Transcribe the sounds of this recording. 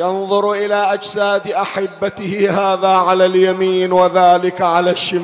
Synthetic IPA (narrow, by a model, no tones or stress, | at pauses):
janðˤʊɾʔɪlaːʔad͡ʒsaːd̪ʔaħɪbːat̪ɪhɪhaːðaːʕalaːljamiːnwaðaːlɪkʕalaːʃːɪmː